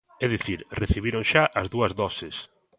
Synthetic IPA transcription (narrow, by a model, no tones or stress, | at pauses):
ɛðiθiɾreθiβ̞iɾoŋʃaʔɐzðuɐzðɔsɪs